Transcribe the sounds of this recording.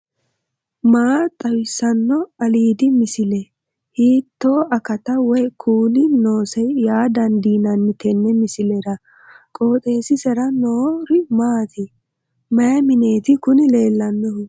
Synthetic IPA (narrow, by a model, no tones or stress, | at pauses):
maːt̪ʼɐwɪsɐnːɔɐliːd̪ɪmɪsɪlɛ | hiːt̪ːoːɐkɐt̪ɐwɔjkʰuːlɪno̞ːsɛjjaːd̪ɐnd̪iːnɐnːɪt̪ɛnːɛmɪsɪlɛɾɐ | kʼo̞ːt̪ʼe̞ːsɪsɛɾɐnoːɾɪmaːt̪ɪ | mɐjɐmɪne̞ːt̪ɪkʊnɪle̞ːlːɐnːɔhʊ